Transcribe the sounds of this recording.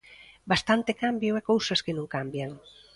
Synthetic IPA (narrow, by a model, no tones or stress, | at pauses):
bast̪ant̪ekambjoɛkowsɐskenũŋkambjaŋ